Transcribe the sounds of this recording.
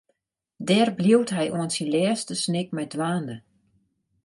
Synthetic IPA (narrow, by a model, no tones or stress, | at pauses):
dɛːrbljiwtɦɛjʔoənsinlɛːstəsnɪk̚mɛdʋaːndə